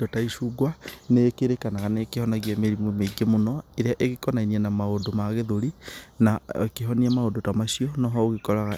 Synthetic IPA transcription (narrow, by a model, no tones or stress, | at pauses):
dotaiʃuɡwanekeɾekanaɣanekehɔnaɣiameɾimwɛmeɡemonɔeɾeaʔeɣekɔnainiɛnamaodomaɣeðoɾinakeɦɔniamaodotamaɕiɔnɔɦɔoɣekɔɾaɣa